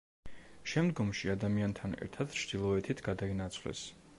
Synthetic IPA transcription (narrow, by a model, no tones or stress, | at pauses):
ʃɛmd̪ɡɔmʃiad̪amiant̪ʰanɛ̰ɾt̪ʰad̪̥t͡ʃʰd̪̥ilˠɔɛt̪ʰit̪ʰɡ̥ad̪ainat̪sʰvlɛ̰s